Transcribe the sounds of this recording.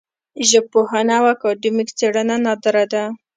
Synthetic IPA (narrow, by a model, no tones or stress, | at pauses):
ʒəpohanawakɑɖimikt͡seɽənanɑd̪əɾad̪a